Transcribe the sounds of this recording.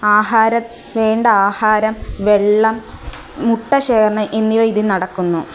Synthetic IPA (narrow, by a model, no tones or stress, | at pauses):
aːɦaːɾɐt̪ː | ʋeːɳɖɐaːhaːɾɐmʋe̞ɭːɐmː | uʈːɐɕeːkɐɳɐʔenːijʋɐiðinɐɽɐkːunːu